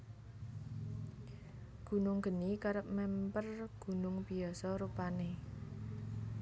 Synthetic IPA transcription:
ɡ̥ṳnʊŋɡ̥ə̤nikaɾəp̚mɛmpərɡ̥ṳnʊŋbiɔsɔɾupane

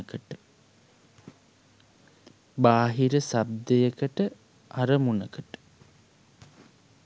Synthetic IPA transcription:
kəʈə | baːɦiɾəsab̚d̪ejəkəʈə | aɾəmunəkəʈə̥

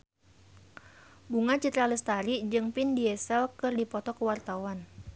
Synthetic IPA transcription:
buŋat͡ʃit̪ɾalist̪aɾid͡ʒɨŋpindiɛsɛlkɨrdipɔt̪ɔkəwart̪awan

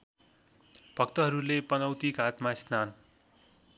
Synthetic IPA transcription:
bʱʌkt̪ʌɦʌɾulepʌnʌwt̪ikat̪masnan

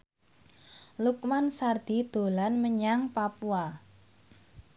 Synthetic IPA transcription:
lukmansard̪̥i̤d̪̥o̤lanməɲaŋpapua

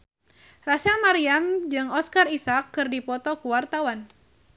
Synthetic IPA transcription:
rasamaɾiamd͡ʒɨŋɔskarisakːɨrdipɔt̪ɔkuwart̪awan

